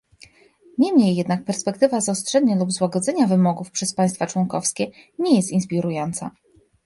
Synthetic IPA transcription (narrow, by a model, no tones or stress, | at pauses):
ɲɛmɲejːɛd̪nak̚pɛɾspɛkt̪ɘvazɔstʂɛd̪ɲalubzwaɡɔd̪zɛɲavɘmɔɡufpʂɛspaj̃st̪fat͡ʂwɔŋkɔfskʲɛɲɛjɛst̪inspʲiɾujɔnt̪sa̰